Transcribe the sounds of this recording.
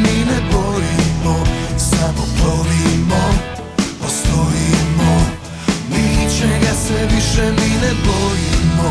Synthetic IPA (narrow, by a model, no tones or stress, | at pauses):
minɛbojimosamokɾoʋimo | p̪ast̪oimo | nit͡ʃeɛɡasɛʋiʃɛminɛboimo